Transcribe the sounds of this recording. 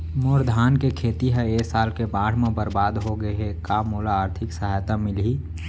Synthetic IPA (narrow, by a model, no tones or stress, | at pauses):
moːɾd̪ʱaːnkekʰeːt̪iɦɛ̃eːsaːlkebaːɽ̤mẽbəɾbaːd̪ɦoɡəɦekaːmoːlaaːɾt̪ʰɪksəɦaːjt̪amɪlɦiː